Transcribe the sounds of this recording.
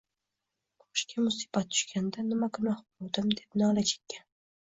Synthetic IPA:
qʰo̥ʃkʲʰamʊsi̥bat̪̚ːʰʊ̥ʃkʲand̪anɪmakʰʊnaχbolˠd̪ɪmd̪epnɑlat͡ʃʰe̥kʲːa

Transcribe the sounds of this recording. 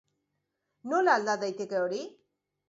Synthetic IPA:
nolaːld̪ad̪ajt̪e̞ke̞oɾi

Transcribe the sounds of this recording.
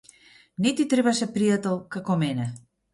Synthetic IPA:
nit̪it̪ɾeβasepɾiat̪əlˠkəkomenə

